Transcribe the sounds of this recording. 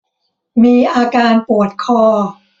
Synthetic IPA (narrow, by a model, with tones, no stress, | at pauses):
miː˧ʔaː˧kaː˧npu˨˩ət̪̚kʰɔː˧˩